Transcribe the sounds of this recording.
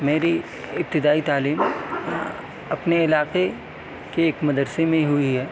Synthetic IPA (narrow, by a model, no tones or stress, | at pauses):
meːɾi | ɪp̚t̪ɪd̪aːit̪aːliːm | ɐpneɪlaːqe | keːkmɐd̪əɾsemẽɦʊiɦɛː